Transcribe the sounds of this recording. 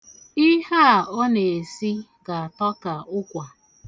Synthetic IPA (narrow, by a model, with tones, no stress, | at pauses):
i˦ha˦˨ɔ˦ne˨e˨si˦ɡa˨a˨tɔ˦ka˨ʊ˦kʷa˨